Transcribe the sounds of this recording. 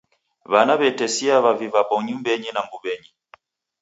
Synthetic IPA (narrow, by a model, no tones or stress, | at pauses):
βanaβɛtɛsiaβavivapɔɲumbɛɲinaŋɡuβɛɲi